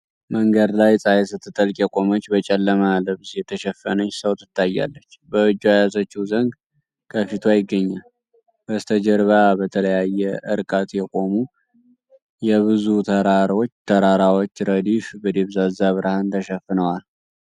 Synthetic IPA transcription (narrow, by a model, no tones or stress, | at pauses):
məŋɡəd̪lajsʼahesɨt̪ʰːɨt̪ʰʼːəlkʼjɛkʼo̞mət͡ʃːbət͡ʃʼɛlːəmaləβɨzjɛt̪ʰəʃɛfːənəɲsəwt̪ʰɨ̥t̪ʰːajːa̰lːət͡ʃːbəɨd͡ʒaajazʰot͡ʃːiwzəŋɡ | kʰəfit̪ʰoajɪɡːəɲːal | bəst̪ʰəd͡ʒəɾβabət̪ʰələjajːɛʔɨɾkʼat̪jɛkʼo̞mu | jɛβɨzut̪ʰəɾaɾo̞t͡ʃːt̪ʰəɾaɾawo̞t͡ʃːɾəd̪ifbəd̪eβzazaβɨɾhant̪ʰəʃɛfːɨnəwal